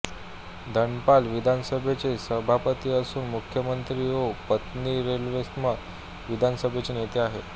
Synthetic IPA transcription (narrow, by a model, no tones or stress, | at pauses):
d̪ʱəɳpalʋid̪ʱansəbʱet͡ɕesəbʱapət̪iːəsuːnmukʰjəmənt̪ɾiːɦopət̪niɾelʋest̪mə | ʋid̪ʱansəbʱet͡ɕenet̪eaɦḛ